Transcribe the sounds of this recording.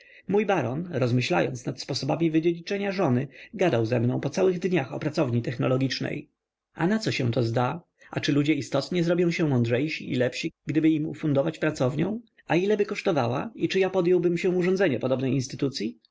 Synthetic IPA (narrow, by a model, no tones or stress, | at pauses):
mujbaɾɔnɾɔzmɘɕla̰jɔ̰nt̪snat̪spɔsɔbamʲivɘd͡ʑelit͡ʂɛɲaʐɔnɘɡad̪awzɛmnɔ̃w̃pɔt̪sawɘɣd̪ɲaxɔ̰pɾat̪sɔvɲit̪ɛxnɔlɔɡʲit͡ʂnɛ̰j | a̰nat̪sɔɕɛ̃w̃t̪ɔzd̪a | a̰t͡ʂɘlud͡ʑɛist̪ɔt̪ɲɛzɾɔbʲjɔ̃w̃ɕɛmɔndʐɛjɕiʔḭlɛpɕiɡd̪ɘbɘimṵfund̪ɔvat͡ɕpɾat̪sɔvɲɔ̃w̃ | ailɛbɘkɔʂt̪ɔva̰wa̰it͡ʂɘjapɔd̪jɔwbɘmɕɛuʐɔnzɛɲɛpɔd̪ɔbnɛjinst̪ɘt̪ut̪sʲji